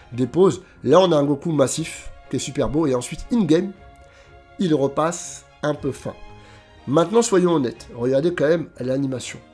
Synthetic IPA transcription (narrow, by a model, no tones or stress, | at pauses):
d̪epoz | laɔ̃naɛ̃ɡokumasifkʲiɛsypɛʁboeɑ̃sɥit̪inɡɛm | ilʁəpas | ɛ̃pøfɛ̰̃ | mɛ̃t̪nɑ̃swajɔ̃ɔnɛt̪ʁəɡaʁd̪ekɑ̃mɛmlanimasjɔ̰̃